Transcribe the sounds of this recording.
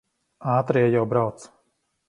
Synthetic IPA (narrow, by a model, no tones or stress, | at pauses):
aːt̪ɾiɛjawbɾawt̪s